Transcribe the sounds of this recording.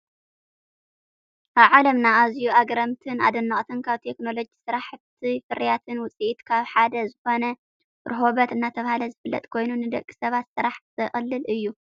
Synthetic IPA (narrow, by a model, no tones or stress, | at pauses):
ʔaβʕalɐmnaazjuaɡɾɐmt̪ʰɨna̰d̪ɨnːɐχʼt̪ʰɨnkʰaβt̪ʰe̞kno̞lo̞d͡ʒisɨɾaħt̪ʰifɨɾijat̪ʰɨnwʊt͡sʼiʔit̪kʰaβħad̪ɐzɨxo̞nɐ | ɾɨɦo̞βɐt̪ɨnːat̪ʰɐβahalɐzɨfɨlːɐ̰t̪ʼkʰo̞jnunɨd̪ɐkʼːi̥sɐβat̪sɨɾaħzʰɨχʼɨlːɨlʔɨjːu